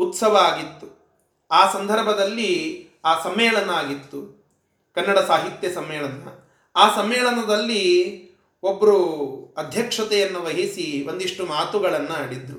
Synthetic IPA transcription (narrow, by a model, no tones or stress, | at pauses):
ut̪sɐʋɐaːɡit̪ːu | aːsɐnd̪ʱɐɾbʱɐd̪ɐlːi | aːsɐmɛːɭɐnɐaːɡit̪ːu | kɐnːɐɽɐsaːɦit̪jɐsɐmːɛːɭɐnɐ̰ | aːsɐmːɛːɭɐnɐd̪ɐlːi | obːɐɾuɐd̪ʱjɐkʂɐt̪ɛjɐnːuʋɐɦisio̞nd̪iʂʈumaːt̪uɡɐɭɐnːuaːɽid̪ɾu